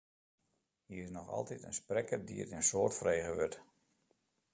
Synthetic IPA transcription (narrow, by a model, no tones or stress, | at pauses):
hiərɪsnɔxɑ̰lˠtitə̰nsprɛkərdḭə̰tɪənsoːrtfrejɣəʋøt